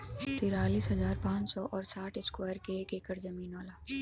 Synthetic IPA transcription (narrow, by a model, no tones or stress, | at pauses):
t̪iːɾaːliːsɦɐzaːɾpãːt͡ʃsɔʔɔːɾsaːʈʰɪskwaːjɾkekeːkəɾzɐmiːnɔːlaː